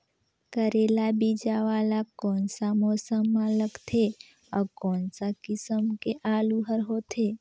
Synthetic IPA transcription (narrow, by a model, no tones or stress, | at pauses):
kəɾelabid͡ʒaʋalakɔnsamosəmːãləkt̪ʰe | akɔnsakisəmkeʔalũɦəɾɦot̪ʰe